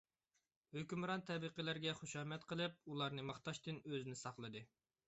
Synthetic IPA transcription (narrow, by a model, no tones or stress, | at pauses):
høkʲymɾɑnt̪ʰɛbɨqəlæɾɡʲɛχoʃɑːmɛt̪qʰəlˠɨp̚ulˠɑɾnɨmɑχt̪ɑʃt̪ɨnøzɪnɪsɑχlˠɨd̪ɨ